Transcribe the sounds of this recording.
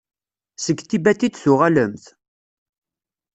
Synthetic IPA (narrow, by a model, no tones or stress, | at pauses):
səɡt̪ibæt̪id̪θʊʁæləmθ